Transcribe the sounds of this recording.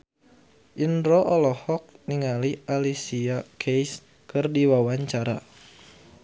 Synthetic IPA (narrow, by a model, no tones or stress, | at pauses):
ʔinɾɔʔɔlɔhɔk̚niŋalialisiakʰejs | kɨrdiwawaɲt͡ʃaɾa̰